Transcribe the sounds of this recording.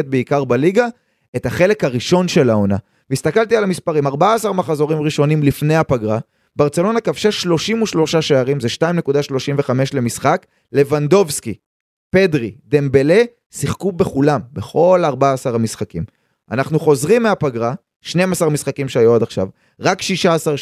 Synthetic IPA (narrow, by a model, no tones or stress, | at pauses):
et̪̚beikaʁbaliɡa | e̞t̪haχe̞le̞kaʁiʃo̞nʃe̞laona | vist̪akalt̪ialamispaʁimaʁbaaːsaʁmaχazo̞ʁimʁiʃo̞nimlifne̞jhapaɡʁa | beaʁt͡se̞lo̞nakavʃaʃlo̞ʃimuʃlo̞ʃaʃeaʁimzeʃtaimne̞kud̪aʃlo̞ʃimve̞χame̞ʃle̞misχak | le̞vand̪o̞vski | pe̞dʁid̪embele̞ | siχkube̞χulambe̞χo̞laʁbaaːsaʁamisχakim | a̰naχnuχo̞zʁimːeapaɡʁa | ʃne̞jmasaʁmisχakimʃeajuod̪aχʃa̰v | ʁakʃiʃaːsaʁ